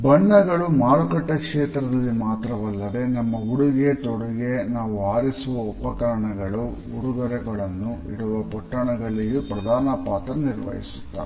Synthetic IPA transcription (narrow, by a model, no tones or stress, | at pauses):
bɐɳːɐɡɐɭumaːɭukɐʈːɐkʂɛːt̪ɾɐd̪ɐlːimaːt̪ɾɐʋɐlːɐd̪e̞nɐmːɐuɽuɡe̞t̪oɽuɡenaːʋuaːɾisuʋɐɔpɐkɐɾɐɳɐɡɐɭu | uɾuɡɐɾɛɡɐɭɐnːuḭɽuʋɐpɔʈːɐɳɐɡɐɭijupɾɐd̪ʱaːnɐpaːt̪ɾɐniɾʋɐ̰ɦḭsu̥t̪ːa̰ː